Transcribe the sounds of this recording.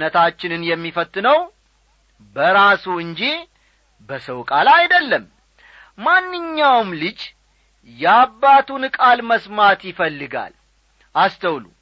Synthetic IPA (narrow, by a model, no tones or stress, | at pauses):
nət̪ʰat͡ʃːɪnɨnjɛmːifət̪ʼːɨnəw | bəɾasuɨnd͡ʒi | bəsəwkʼalajd̪əlːəm | manːɨɲːawmlɨd͡ʒ | jɛabːat̪ʰunɨkʼalməsmat̪jɪfəlːɨɡa̰l | ʔast̪ʰəwlṵ